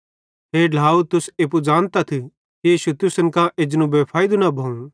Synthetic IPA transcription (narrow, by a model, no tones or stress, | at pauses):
ɦeːɖʱaːut̪ʊseːp̬ud͡ʒaːnt̪at̪ʰi | kiiːʃut̪ʊsɐnkãʔed͡ʒnũbepʰaːid̪unabʱɐ̃ũ